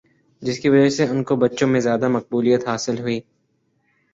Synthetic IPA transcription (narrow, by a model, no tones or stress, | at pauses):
d͡ʒɪskiʋɐd͡ʒəseʊnkobɐtːʃõmẽzjaːd̪amɐq̚buːlijət̪ɦaːsɪlɦʊiː